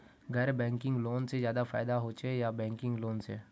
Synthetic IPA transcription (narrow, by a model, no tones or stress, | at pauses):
ɡɛɾbɛ̃ːŋkɪ̃ŋɡloːnsezjaːd̪afa̰ːɪd̪aɦoːt͡ʃejabɛ̃ːŋkɪ̃ŋɡloːnsḛː